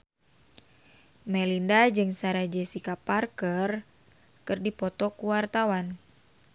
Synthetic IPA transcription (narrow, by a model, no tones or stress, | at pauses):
mɛlindad͡ʒɨŋsaɾad͡ʒɛsikaparkər | kɨrdipɔt̪ɔkuwart̪awan